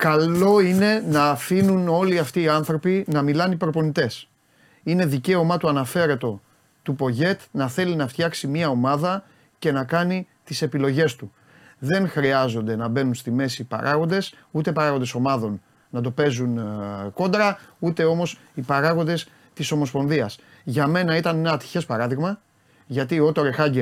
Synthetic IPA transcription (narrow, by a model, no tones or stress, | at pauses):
kɐo̞ine̞nɐːfinuno̞liɐft̪iːɐnθɾo̞pinɐmilɐnipɾo̞po̞nit̪e̞s | ine̞ðice̞o̞mɐt̪uɐnɐfe̞ɾe̞t̪o̞ | t̪upo̞ʝe̞t̪nɐθe̞linɐft̪çɐksimɲɐo̞mɐðɐ | ce̞nɐkɐni | t̪ise̞pilo̞ʝe̞st̪u | ðe̞nxɾiɐzo̞nd̪e̞nɐbe̞nunst̪ime̞sipɐ̰ɾʔɐɣo̞nd̪e̞s | ut̪epɐɾɐɣo̞nd̪eso̞mɐðo̞nː | ɐt̪o̞pe̞zunko̞nd̪ɾɐut̪e̞o̞mo̞s | ipɐɾɐɣo̞nd̪e̞s | t̪iso̞mo̞spo̞nðiɐs | ʝɐme̞nɐit̪ɐnenɐt̪i̥çe̞spɐɾɐðiɣmɐ | ʝɐt̪iot̪o̞ɾe̞xɐɲɟe